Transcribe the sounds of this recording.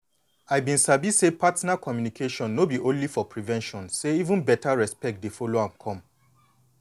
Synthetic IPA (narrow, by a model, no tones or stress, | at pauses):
aɪbĩnsabisepatnakɔmjunikʰeʃɔ̃nːobiʔõnlifɔpʰɹivɛ̃nʃɔ̃nseivũnbɛtaɹɛspɛk̚t̚defɔloãmkʰɔ̃m